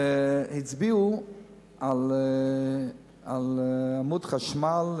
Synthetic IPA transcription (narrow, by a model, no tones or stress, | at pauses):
hɪt͡sbiu | al | alamudχaʃmal